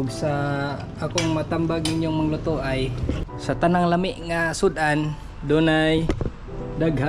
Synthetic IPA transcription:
ɡsaː | kɔŋmat̪ambaɡiɲɔŋmaŋlɔt̪oʔajsat̪anaŋlamiʔŋasud̪an | donaj | daɡa

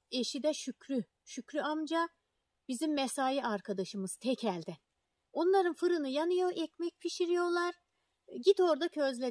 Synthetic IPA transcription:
e̞ʃid̪ɛʃycɾy | ʃycɾyamd͡ʒa | bizimːesaːjiʔaɾkʰad̪aʃɯmɯzt̪ʰɛcʰælʲd̪ɪ | o̞nlˠaɾɯnfɯɾɯnɯjanɯjo̞ʔɛcmɛc̚pʰiʃiɾijo̞lˠaɾ̥ | ɟit̪o̞ɾd̪acʰø̞zlʲe

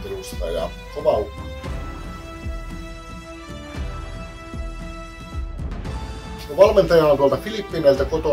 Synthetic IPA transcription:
elust̪ɑ̰jɑ̰ | koʋɑu | koʋɑlment̪ɑjɑhɑnot̪uolt̪ɑfilipːinæilt̪ækot̪o

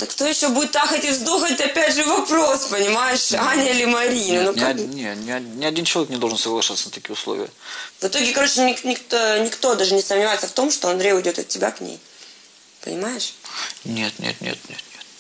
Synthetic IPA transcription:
əkt̪o̞jɪɕːo̞budʲɪt̪ːaxətʲɪvzd̪oxəɪt̪ʲɐpʲædʲʐɨvɐpɾo̞spənʲɪmajɪʂanʲɪlʲɪmɐɾʲinənonʲenʲɪnʲɪɐdʲint͡ɕɪlˠɐvʲeknʲɪd̪olʐənsəɡlˠɐʂat̪sənət̪ɐkʲijʊslˠo̰vʲɪ̰ə̰vɨt̪o̞ɡʲɪkɐɾo̞t͡ɕɪnʲɪknʲɪkt̪onʲɪkt̪o̞d̪aʐɨnʲɪsəmnʲɪvajɪt̪səft̪o̞mʂt̪oɐnd̪ɾʲejʊjdʲo̞t̪ɐ̰t̪̚ʲtʲːɪbʲa̰knʲḛj | pə̰nʲɪ̰majɪʂnʲḛt̪nʲḛt̪nʲḛt̪nʲḛt̪nʲet

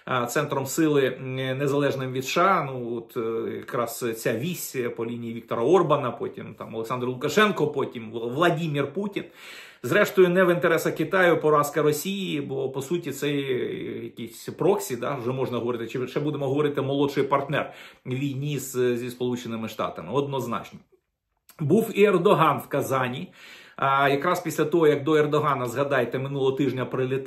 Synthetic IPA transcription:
t̪sɛnt̪ɾɔmsɪlˠɪnezɐlˠɛʒnɪmʋʲid̪ʃɑnuɔt̪jɐ̰kɾɑst͡sʲaʋʲisʲpɔlʲinʲijiʋʲik̚t̪ɔɾɐɔrbɐnɐpɔtʲimt̪ɑ̰mɔlˠeksɑnd̪ɾrɐlˠʊkɐʃɛnkɔpɔtʲimʋlˠɐdʲimʲirputʲin | zɾɛʃt̪ɔjʊnɛʋɪnt̪eɾɛsɐkɪt̪ɑjʊpɔɾɑskɐɾɔsʲijibɔpɔsutʲit̪sɛjjɐkʲisʲpɾɔksʲid̪ɑ̰wʐɛmɔʒnɐɦɔʋɔɾɪt̪ɪt͡ʃɪʃɛbud̪emɔɦɔʋɔɾɪt̪ɪmɔlˠɔʃɪjpɐrt̪nɛ̰rʋʲijnʲiizzʲispɔlˠut͡ʃenɪmɪʂt̪ɑ̰t̪ɐmɪɔd̪nɔznɑ̰t͡ʃnɔ | buwiɛrd̪ɔɦɑnwkɐzɑnʲi | jɐkɾɑspʲisʲlʲɐt̪ɔɦɔjɐk̚d̪ɔɛrd̪ɔɦɑnɐzɦɐd̪ɑjet̪ɛmɪnulˠɔɦɔt̪ɪʒnʲɐpɾɪlʲɪt̪

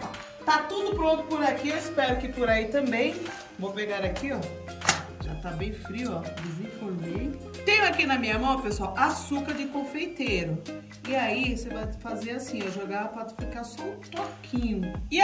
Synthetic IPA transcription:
t̪at̪ud̪ʊpɾõt̪ʊpʊɾakiewɪspɛɾʊkɪpʊɾait̪ɐ̃mbẽj̃ | vopeɡaɾakiɔ | ʒat̪abẽj̃fɾiwɔd̪ɪzĩfoɾme | t̪ẽjʊakinɐmĩɲɐmɐ̃w̃pesʊawasukɐɾd͡ʒɪkõfejt̪eɾʊ | ɪaisevajfazeasĩeʒoɡaɐpɔd̪ɪfikaɾsɔʊ̃t̪okʰĩɲʊɪ

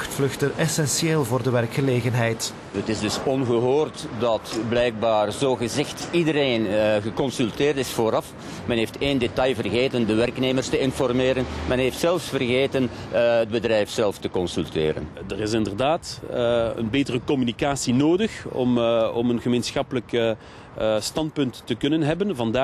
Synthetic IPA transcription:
xtflɵxtənʔɛsɛnsieːlˠvoːrdəʋɛrkxəleːɣənɦɛjt | ətɪzdɵsɔnɣəɦoːrtdɑtblɛjɡ̚baːrzoːɣəzɪxtidəɾeːnɣəkɔnsylˠtɪːrtɪsfoːɾɑf | mɛnɦeːftʰeːndetɑjvərɣeːtəndəʋɛrkneːmərstəɪnfɔrmeːɾənmɛnɦeːftsɛlˠsfərɣeːtənəd̚bədrɛjfsɛlˠftəkɔnsylˠtɪ̰ːɾə̰ndərɪs̬ɪndərdaːt | ə̰nbeːtərəkɔmynikaːsinoːdəxɔ̰mɔmənɣəmeːnsxɑpələk | stɑnt̚pɵntːəkɵnənɦɛbənvɑndaː

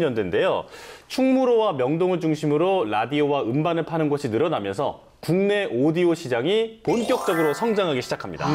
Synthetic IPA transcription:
ɲʌndwe̞nde̞jot͡ɕʰuŋmuɾowamjʌŋdoŋɯɭd͡ʑuŋɕʰimɯɾoɾadiowaɯmbanɯɭpʰanɯnɡʌɕʰinɯɾʌnamjʌnsʰʌ̰ | kuŋne̞ʔodioɕʰid͡ʑaŋiponk͈jʌk̚t͡ɕ͈ʌɡɯɾosʰʌŋd͡ʑaŋɦaɡeɕʰid͡ʑakʰamɲida̰

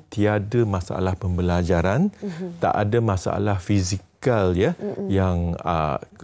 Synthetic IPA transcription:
t̪iadəmãsaa̰lahpəmbəlad͡ʒaɾant̪a̰ʔa̰damãsaa̰lahfizikaljajaŋə̰

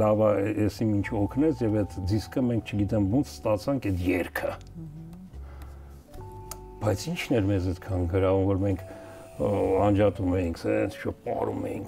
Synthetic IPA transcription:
lɑvɑɛsimint͡ʃʰɔkʰnɛt͡sʰjɛvɛt̪d͡ziskʰəmɛŋk̚ʰt͡ʃʰəɡit̪ɛmbɔnt͡sʰst̪ɑt͡sʰɑŋkʰɛt̪jɛɾkʰə | b̥ɑjt͡sʰint͡ʃʰnɛɾmɛzɛt̪kʰɑnɡəɾɑvumvɔɾmɛŋkʰ | ɑnd͡ʒɑt̪umɛjiŋkʰsɛnt͡sʰi̥t͡ʃʰɔɾpɑ̰ɾṵmɛ̰jḭŋkʰ

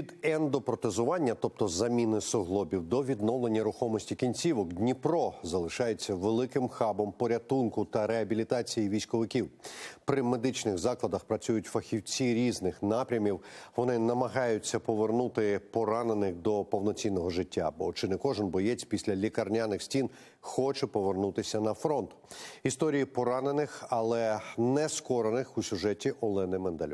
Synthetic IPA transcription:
id̪ɛnd̪ɔpɾɔt̪ezʊʋɑnʲːɐt̪ɔp̚t̪ɔzɐmʲinɪsɔɦlˠɔbʲiwd̪ɔʋʲid̪nɔwlˠenʲːɐɾʊxɔmɔsʲtʲikʲinʲt͡sʲiʋɔkd̪ʲnʲiprɔzɐlˠɪʃɑjet͡sʲːɐʋelˠɪkɪmxɑbɔmpɔɾʲɐt̪unkʊt̪ɐɾeɐbʲilʲit̪ɑt͡sʲijiʋʲijsʲkɔʋɪkʲiwpɾɪmed̪ɪt͡ʃnɪɣzɑklˠɐd̪ɐxpɾɐt͡sʲujʊtʲfɐxʲiwt͡sʲiɾʲiznɪxnɑpɾʲɐmʲiwʋɔnɪnɐmɐɦɑjʊt͡sʲːɐpɔʋernut̪ɪpɔɾɑnenɪxd̪ɔpɔwnɔt͡sʲinːɔɦɔʐɪtʲːa̰bɔt͡ʃɪnɛkɔʒɪnbɔjɛt͡sʲpʲisʲlʲɐlʲikɐrnʲanɪxsʲtʲin | xɔt͡ʃɛpɔʋernut̪ɪsʲɐnɐfɾɔnt̪ʊ̥ist̪ɔɾʲijipɔɾɑnenɪxɐlˠɛnɛskɔɾɐnɪxusʲʊʒɛtʲiʔɔlˠɛnɪmɛnd̪ɐl̰ʲ

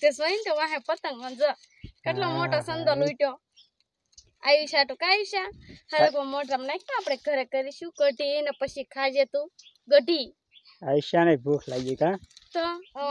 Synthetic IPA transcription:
t̪es̬ʋəint̪eʋãɦɛ̃pət̪əŋmənd͡zə | kəʈlɔmɔʈasənd̪ɔlujʈjɔ | ajiɕaʈukaiɕahəɾəkɔmɔʈɾamnajk̚nãːpɽɛ̃ɡʱəɾɛkəɾiɕukəʈinəpəɕikʰad͡ʑet̪u | ɡəʈi | aiɕanajbʱukʰlaɡikat̪ɔ

